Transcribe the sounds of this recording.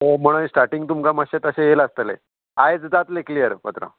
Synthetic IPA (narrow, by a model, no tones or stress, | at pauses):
ɦom̤əɽ̃əsʈaɾʈiŋɡ̚t̪umkaməɕet̪əɕejeləst̪əlḛ | ajd͡zd̪at̪leklijəɾpət̪ɾa̰